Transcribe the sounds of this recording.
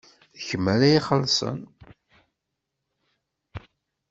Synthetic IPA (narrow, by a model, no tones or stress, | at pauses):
çəmælæjiχəlsˤə̰n